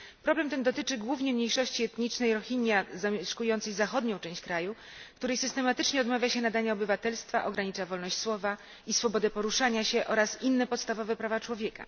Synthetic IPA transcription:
pɾɔblɛmt̪ɛnd̪ɔt̪ɘt͡ʂɘɡwuvɲɛmɲejʂɔɕt͡ɕiɛt̪ɲit͡ʂnɛjɾɔxiɲjazamʲjɛʂkujɔnt̪sɛjzaxɔd̪ɲɔ̃w̃t͡ʂɛ̃w̃ɕt͡ɕkɾaju | kt̪uɾɛjsɘst̪ɛmat̪ɘt͡ʂɲɛɔd̪mavʲjaɕɛnad̪aɲaɔbɘvat̪ɛlst̪fa̰ʔɔɡɾaɲit͡ʂavɔlnɔɕt͡ɕswɔva | isfɔbɔd̪ɛpɔɾuʂaɲaɕɛʔɔɾasinːɛpɔt̪st̪avɔvɛpɾavat͡ʂwɔvʲjɛka̰

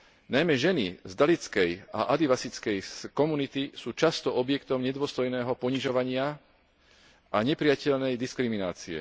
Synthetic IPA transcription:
najmɛʒɛnizd̪alit͡skɛja̰ʔad̪iʋasit͡skɛjkɔmunit̪isuːt͡ʃast̪ɔʔɔbjɛkt̪ɔmɲɛd̪ʊɔst̪ɔjnɛːɦɔpɔɲiʒɔʋaɲɪa | ʔaɲɛpɾiɪjacɛʎnɛjd̪iskɾimina̰ːt͡siɛ̰

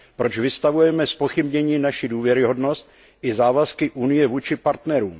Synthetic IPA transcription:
pɾo̞t͡ʃvɪst̪avujɛmɛspoxɪbɲɛɲiːnaʃɪduːvjɛɾɪɦo̞dno̞st̪̚ | ʔɪzaːvaskɪʔunɪjɛvuːt͡ʃɪpaɾt̪nɛɾuːm

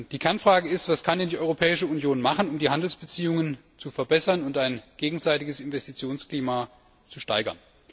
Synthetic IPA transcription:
d̥iːkʰɛɐnfʁ̥aːɡəɪstv̥askʰandɛndiːʔɔʏʁopʰɛːɪʃəunjoːnmaχn̩ʊmdiːɦandl̩sb̥ət͡siːʊŋən | t͡sufɛɐbɛsɐnʊntaɪnɡ̥eːɡŋ̩zaɪtɪɡəsɪnvɛstit͡sjoːnskl̥iːma | t͡suʃtaɪɡɐ̰n

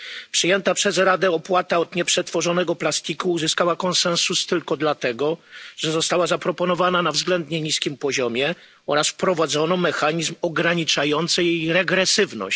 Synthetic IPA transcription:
pʂɨjɛnt̪apʂɛzɾad̪ɛɔpwat̪aɔd̪ɲɛpʂɛt̪fɔʐɔnɛɡɔplast̪ʲikuːzɘskawakɔnsɛ̃ñsust̪ɘlkɔd̪lat̪ɛɡɔʐ̥ɛzɔst̪awazapɾɔpɔnɔvananavzɡlɛnd̪ɲɛɲiskʲimpɔʑɔmʲjɛ | ɔɾasfpɾɔvad̪zɔnɔmɛxaɲizmɔɡɾaɲit͡ʂajɔnt̪sɛjɛjɾɛɡɾɛsɘvnɔ̰ɕ

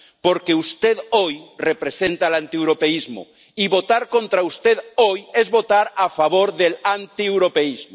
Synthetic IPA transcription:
poɾkeust̪eðojrepɾesent̪alant̪iewɾopeizmo̰ | iβot̪aɾkont̪ɾaust̪eðojezβot̪aɾafaβoɾðelant̪iewɾopeizmo

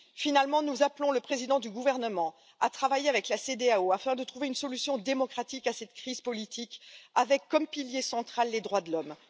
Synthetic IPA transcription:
finalmɑ̃nuzaplɔ̃ləpχezid̪ɑ̃d̪yɡuvɛʁnəmɑ̃ | at̪χavajeavɛklased̪eaoafɛ̃d̪ət̪χuveynsɔlysjɔ̃d̪emɔkχat̪ikasɛt̪kχiz̥pɔlit̪ʰikavɛkːɔmpiljesɑ̃t̪χalːed̪ʁwad̪əlɔm

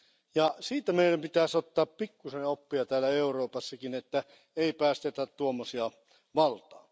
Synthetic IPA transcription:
jɑsiːt̪æmeiɾæmpit̪æsot̪ːɑːppikːusenopːiɑt̪æːlæeuroːpɑsːɑkinet̪ːæ | eipæːst̪et̪æt̪t̪uomːosiɑ | ʋɑlt̪ɑː

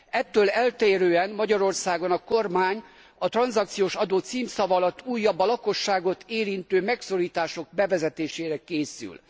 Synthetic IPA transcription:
ɛt̪ːøːlɛlt̪eːɾøːɛnmɒɟɒɾo̞rsaːɡonɒko̞rmaːɲ | ɒt̪rɒnzɒk̚t̪sijoːʃɒd̪oːt̪siːmsɒvɒlɒt̪ːuːjːɒbːɒlɒko̞ʃːaːɡo̞t̪ʰeːɾint̪øːmɛkso̞ɾiːt̪aːʃo̞ɡ̚bɛvɛzɛt̪eːʃeːɾɛkeːsy̰l

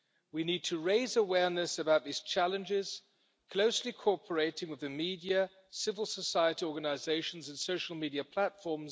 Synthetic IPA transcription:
winid̚tʰəɹeɪzəwɛɹnɨsəbaʊt̪̚ðiz̥t͡ʃʰælˠə̃nd͡ʒɪz̥ | kʰl̥oʊslikʰɔɹpʰə˞eɪɾɪ̃ŋwɨðɨmidiə | sɪvəlˠsəsaɪəɾiɔɹɡənəɪzeɪʃn̩zə̃nsoʊʃl̩ˠmidiɨpʰl̥ætfɔɹmz

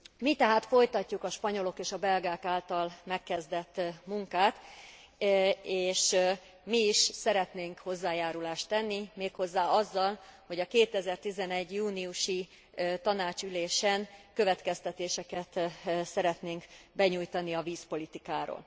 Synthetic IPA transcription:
mit̪ɛɦaːt̪fo̞jt̪ɒcːukɒʃpɒɲo̞lo̞keːʃɒbɛlɡaːkaːlt̪ɒlmɛkːɛzd̪ɛt̪ːmuŋkaːt̪ | eːʃ | miiʃsɛɾɛt̪neːŋkho̞zːaːjaːɾulaːʃt̪ɛnːimeːkho̞zːaːɒzːɒlho̞ɟɒkeːt̪ɛzɛrt̪izɛnɛɟjuːniuʃi | t̪ɒnaːt͡ʃyleːʃɛnkø̞vɛt̪kɛst̪ɛt̪eːʃɛkɛt̪sɛɾɛt̪neːŋkbɛɲujt̪ɒniɒviːspo̞lit̪ikaːɾo̰ːl

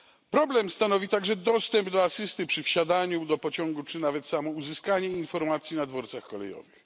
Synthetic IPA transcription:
pɾɔblɛmst̪anɔvʲit̪aɡʐɛd̪ɔst̪ɛmbd̪ɔasɘst̪ɘpʂɘfɕad̪aɲud̪ɔpɔt͡ɕɔŋɡut͡ʂɘnavɛt̪samɔuzɘskaɲɛinfɔɾmat̪sʲjinad̪vɔɾt̪saxkɔlɛ̰jɔ̰vɨx

